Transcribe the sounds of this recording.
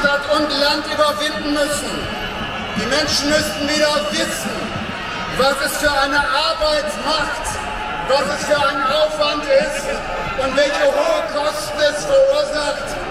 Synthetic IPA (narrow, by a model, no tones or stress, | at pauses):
tatʊntlantʔyːbɐvɪndn̩mʏsn̩ | d̥iːmɛnʃn̩mʏstn̩viːɾɐavɪsn̩ | vasɛsfyːɐaɪnəʔaɐbaɪtmaxt | vasɛsfyːɐaɪnənaʊfv̥antɪst | ʊntvɛlçəhoːəkʰɔstn̩ɛstfɛɐuːɐzaxt